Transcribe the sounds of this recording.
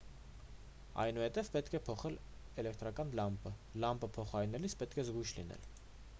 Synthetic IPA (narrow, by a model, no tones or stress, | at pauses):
ɑ̰jnuhɛt̪ɛvpɛt̪kʰɛpʰɔχɛl | ɛlɛkt̪ɾɑkɑnlɑmpəlɑmpəpʰɔχɑɾinɛlit͡sʰpɛt̪kʰɛzɡujʃlinɛ̰l